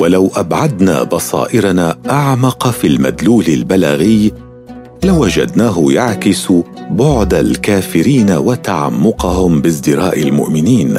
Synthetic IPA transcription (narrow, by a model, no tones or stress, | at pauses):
walawʔabʕad̪na̰ːbɑsˤɑ̰ːʔɪɾanaːʔaʕmɑqɑfiːlma̰d̪luːlɪlbalaɣɪj | lawad͡ʒa̰d̪naːɦʊjaʕkɪsbʊʕd̪alkaːfɪɾiːnawat̪aʕa̰mːʊqɑhʊmbɪs̬d̪ɪɾaːʔɪlmʊ̰ʔmɪniːn